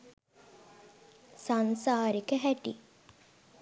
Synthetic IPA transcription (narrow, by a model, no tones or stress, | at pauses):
sansaːɾikəɦæʈḭ